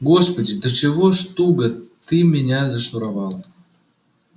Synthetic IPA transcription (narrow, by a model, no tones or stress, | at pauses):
ɡospodʲid̪ət͡ɕevoʃt̪uɡɤ̆t̪ːɨmʲenʲɑzʲĕʃuɾɑβɑl